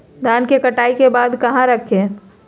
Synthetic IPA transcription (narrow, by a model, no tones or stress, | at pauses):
d̪ʱaːnkekɐʈaːikebaːd̪kɐɦãɾɐkʰẽ